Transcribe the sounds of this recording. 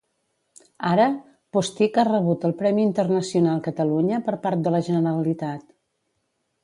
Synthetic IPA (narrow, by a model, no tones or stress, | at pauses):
aɾə | post̪ikarəβ̞ut̪əlˠpɾɛmiːnt̪ərnəsiunalˠkət̪əluɲəpəɾpaɾt̪̚d̪ələʒənəɾəlit̪at̪